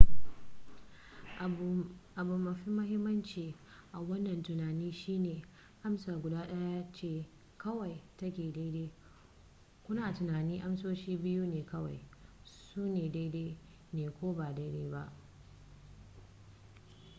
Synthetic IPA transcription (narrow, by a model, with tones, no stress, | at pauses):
ʔa˨bʊ˨mːɐ˨ɸi˦mʊ˦hɪ˦mːɐ˦nt͡ʃiː˨ | ʔa˨wɐ˦nːɐ˨ntʊ˨naː˨niː˦ʃiː˦neː˨ | ʔa˦msaː˨ɡʷʊ˨daː˦ɗɐ˦ja˦a˦t͡ʃeː˦˨ | kɐ˦wɐ˨jtɐ˦kʲeː˨da˦jdeː˦ | kʷʊ˦naː˨tʊ˨naː˨niː˦ʔa˦msoː˦ʃiː˦bɪ˦juː˦neː˨kɐ˦wa̰˨jsuː˦neː˨da˦jdeː˦ | neː˨kʷoː˦baː˨da˦jdeː˦ba̰˦ʔ